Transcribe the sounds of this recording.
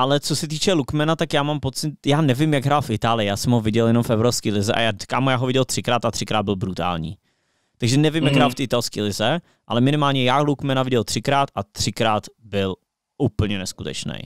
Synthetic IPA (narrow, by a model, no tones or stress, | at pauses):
ʔalɛt͡sosɛt̪iːt͡ʃɛlukmɛnat̪akjaːmampot͡sɪt̪jaːnɛvɪmjaɡɦɾaːlfɪt̪aːlɪjɪjaːsɛmɦovɪɟɛljɛnomfɛvɾoskiːlɪzɛʔa̰jḁːkaːmujaːɦovɪɟɛlt̪r̥ɪkɾaːt̪at̪r̥ɪkɾaːd̪̚bɪlbɾut̪a̰ːlɲḭː | t̪aɡʒɛnɛvɪmjaɡɦɾaːlft̪iːʔɪt̪alskiːlɪzɛ | ʔa̰lɛmɪnɪmaːlɲɛjaːlukmɛnavɪɟɛlt̪r̝̥ɪkɾaːt̪at̪r̝̥ɪkɾaːt̪bɪl | upl̩ɲɛnɛskut̪ɛ̰t͡ʃnɛ̰j